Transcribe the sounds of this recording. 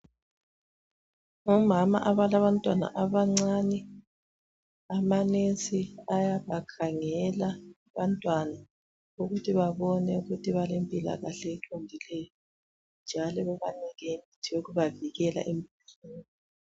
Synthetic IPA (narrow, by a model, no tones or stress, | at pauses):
umama̰ʔaβalaβantʼwana̰ʔaβaŋ͡ǀanɛ | amanesiajaβakʰaŋɛla | βantʼwana | uɣutʰiβaβɔnɛuɣutʰiβalempʼila̰ɣaɬɛːǁʰondʱilɛjɔ | nd͡ʒʱalɔɣɛβanɛɣemitʰijoɣuβaviɣɛla̰ʔempʼ | seni